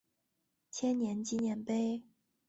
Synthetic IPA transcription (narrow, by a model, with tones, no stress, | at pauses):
t͡ɕʰjɛ˥nnjɛ˧˥nt͡ɕi˥njɛ˧˥npe˥ɪ